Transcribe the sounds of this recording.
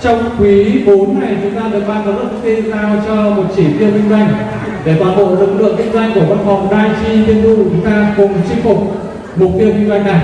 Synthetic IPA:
t͡ɕɔ˧wŋ͡mkwi˨˦ɓo˨˦nːa˨˩jt͡ɕʊ˨˦ŋ͡mt̪aː˧ɨ̰˨k̚ɓaː˧zaː˨˧˩lə˦˥t̚t̪i˧ənt̪aː˧wt͡ɕɔ˧mo˨˩t̚t͡ɕi˧˩t̪i˧əwɓï˧ŋzwa˧jŋ̟ | ɗe˧˩ɓaː˨˧˩nɓo̰˧˨lɨ̰˨˩k̚lɨ̰˧˨əŋkï˧ŋ̟zwa˧jŋ̟ku˧˩əva˧nfɔ˨˩wŋ͡mnaː˧jt͡ɕi˧t̪i˧ənt̪u˧˨˩t͡ɕʊ˨˦ŋ͡mt̪aː˧kʊ˨˩ŋ͡mt͡ɕi˧ŋfʊ˨˩k͡p̚ | mo˨˩t̚t̪i˧əɓi˧ŋzwa˧jŋ̟na˨˩j

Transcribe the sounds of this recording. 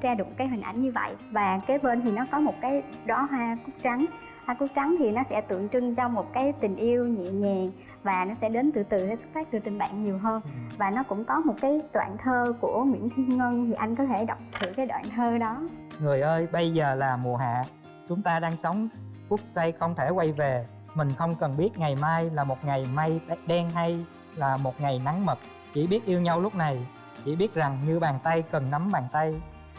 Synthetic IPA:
zaː˧ɗɨ̰˧˩˨kaː˨˦jɦï̟˨˩ʔa̰˧˩jŋ̟ɲɨ˧və̰˧˨jvaː˨˩kae˨˦jɓe˧nt̪ʰi˨˩nɔ˨˦kɔ˨˦mo˨˩t̚kaː˨˦j | ɗɔ˨˦ɦwaː˧ku˦˥k̚t͡ɕa˨˦ŋ | hwaː˧ku˦˥k̚t͡ɕa˨˦ŋt̪ʰi˨˩nɔ˨˦sɛ̰˧˥t̪ɨ̰˧˨əŋt͡ɕɨ˧ŋt͡ɕɔ˧mo˨˩t̚kaː˨˦jt̪ï˨˩ŋ̟ʔi˧əwɲḭ˧˨ɲɛ˨˩ŋ | vaː˨˩nɔ˨˦sɛ̰˧˥ɗe˨˦nt̪ɨ̰˧˨˩t̪ɨ˨˩aː˨˦sʊ˦˥t̚faː˦˥t̚t̪ɨ˨˩t̪ŋ̟ɓa̰ː˧˨ŋɲi˨˩əwɦəː˧nvaː˨˩nɔ˨˦kʊ̰˧˥ŋ͡mkɔ˨˦mo˨˩t̚kaː˨˦jt̪wa̰ː˧˨nt̪ʰəː˧ku˧˩əŋwḭ˧˥ənt̪ʰi˧nŋə˧nt̪ʰi˨˩ʔa˧jŋ̟kɔ˨˦t̪ʰe˧˩ɗɔ˨˩wk͡p̚t̪ʰɨ˧˩kaː˨˦jt̪wa̰ː˧˨nt̪ʰəː˧ɗɔ˨˦ŋɨ˨˩əjʔəː˧jɓə˧jzəː˨˩laː˨˩mu˨˩əɦa̰ː˧˨ | t͡ɕʊ˨˦ŋ͡mt̪aː˧ɗaː˧ŋsə˨˦wŋ͡mku˦˥ək̚sa˧jxə˧wŋ͡mt̪ʰe˧˩kwa˧jve˨˩ | mï˨˩ŋ̟xə˧wŋ͡mkə˨˩nɓi˦˥ət̚ŋa˨˩jmaː˧jlaː˨˩mo˨˩t̚ŋa˨˩jma˧jɗɛ˧nɦa˧j | laː˨˩mo˨˩t̚ŋa˨˩jna˨˦ŋmə˨˩t̚ | t͡ɕḭ˧˥˩ɓi˦˥ət̚ʔi˧əwɲa˧wlʊ˦˥k͡p̚na˨˩j | t͡ɕḭ˧˩ɓi˦˥ət̚za˨˩ŋɲɨ˧ɓaː˨˩nt̪a˧jkə˨˩nːa˨˦mɓaː˨˩nt̪a˧j

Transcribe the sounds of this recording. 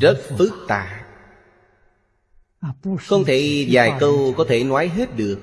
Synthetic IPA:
zə˦˥t̚fɨ˦˥k̚t̪a̰ː˧˨ | xə˧wŋ͡mt̪ʰe˧˩zaː˨˩jkə˧wkɔ˨˦t̪ʰe˧˩nwaː˨˦jɦe˦˥t̚ɗɨ˨˩ək̚

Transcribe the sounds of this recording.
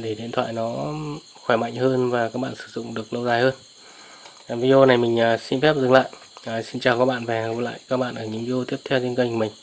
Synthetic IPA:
ɗe˧˩ɗḭ˧˨ənt̪ʰwa̰ː˧˨jnɔ˨˦ | xwɛ˧˩ma̰˧˨jŋ̟həː˧nvaː˨˩kaː˦˥k̚ɓa̰ː˧˨nsɨ̥˧˩zʊ̰˧˨ŋ͡mɗɨ˨˩ək̚nə˧wzaː˨˩jhəː˧n | a˨˩vi˧i˧o˧na˨˩jmï˨˩ŋ̟ʔəː˨˩si˧nfɛ˦˥p̚zɨ˨˩ŋla̰ː˧˨j | əː˨˩si˧nt͡ɕaː˨˩wkaː˦˥k̚ɓa̰ː˧˨nvɛ˨˩˨la̰ː˧˨jkaː˦˥k̚ɓa̰ː˧˨nʔəː˧˩ɲɨ̰˧˥ŋvi˧o˧t̪i˦˥əp̚t̪ʰɛ˧wt̪ʰi˧nkə˧ŋku˧˩mï˨˩ŋ̟

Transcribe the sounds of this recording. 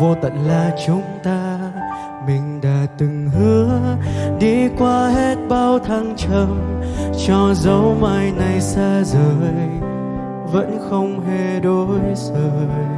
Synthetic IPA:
vo˧t̪ə̰˧˨nlaː˨˩t͡ɕʊ˨˦ŋ͡mt̪aː˧ | mï˨˩ŋ̟ɗa̰ː˧˥t̪ɨ˨˩ŋhɨ˨˦əɗi˧kwaː˧he˦˥t̚ɓaː˧wt̪ʰa˧ŋt͡ɕə˧mt͡ɕɔ˧zə˨˦wma˧˩jna˨˩jsaː˧zəː˨˩j | və̰˧˥nxə˧wŋ͡mɦe˧˩ɗo˨˦jzəː˨˩j

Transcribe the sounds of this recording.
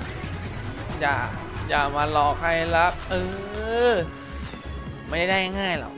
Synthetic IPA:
jaː˨˩jaː˨˩maː˧lɔː˨˧˩k̚ha˥˩jla˦˥p̚ʔɤː˧ | ma˧˩nt͡ɕa˥˩da˥˩ŋa˥˧˩ŋaː˥˩jlɔ̰˨˩k

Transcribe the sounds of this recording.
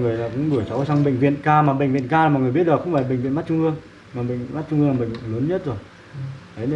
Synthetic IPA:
ŋɨ˨˩əjlaː˨˩kʊ̰˧˥ŋ͡mɡɨ˧˩əjsa˨˦wsa˧ŋɓḛ̈˧˨ŋvḭ˧˨ənkaː˧maː˨˩ɓḛ˧˨ŋ̟vi˧˨nkaː˧˨˩m˨ŋɨ˨˩ɓət̚laː˨˩kʊ̰˧˥ŋ͡mfaː˧˩ɓḛ˧˨ŋvi˧˨nm˦˥t̚t͡ɕʊ˧ŋ͡mʔɨ˧əŋ | maː˨˩ɓḛ˧˨ŋma˦˥t̚t͡ɕʊ˧ŋ͡mhɨ˧ŋla˨˩ɓḛ˧˨ŋləː˨˦nɲə˦˥t̚zo˨˩j | ʔə˨˦j

